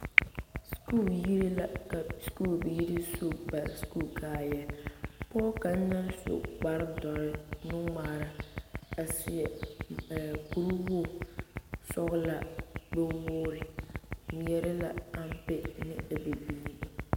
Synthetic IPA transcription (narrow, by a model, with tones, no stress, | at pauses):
sku˦˨lji˦ɾi˦la˨ka˨sku˦˨lbi˨ji˦ɾi˦so˦ba˨skuː˦˨kʰaː˦˨jɛ˨pɔː˦ka˨n̩˦na˦nso̰˨ɡ͡ba˦ɾdɔ˨ɾɪ˦nʊ˦ŋaː˨ɾa˦a˨sɪ˨ɛ˨ | ku˨ɾu˦hʊ˦˨ | sɔ˦ɣla˨bɛ˦wʊː˦ɾɪ˨n˨jɛ˦ɾɪ˦la˨a˦m˦pɪ˦nɪ˦a˨bɪ˨bi˦i˦˨